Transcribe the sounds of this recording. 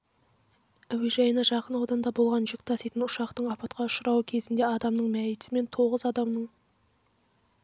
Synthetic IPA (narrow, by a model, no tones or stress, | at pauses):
æweʒɑjənɑʒɑqənɑwd̪ɑnd̪ɑbo̞lˠʁɑnʒɪk̚ʲt̪ʰɑset̪ɪnʊʃɑqt̪əɴɑpɑt̪qɑʊʃəɾɑwəkʲʰe̞zɪnd̪e̞ɑd̪ɑmnəɴmæjɪt̪ɪme̞nt̪ʰo̞ʁəzɑd̪ɑmnəɴ